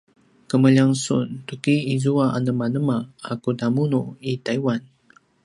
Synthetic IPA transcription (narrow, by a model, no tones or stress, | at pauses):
kəməʎaŋsṵntukiːzuaʔanəmanəmaakudamunuitaiwan